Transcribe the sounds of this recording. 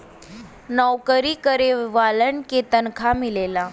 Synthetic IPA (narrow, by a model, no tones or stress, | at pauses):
nəwkəɾikəɾeʋaləɳket̪ənkʰamilela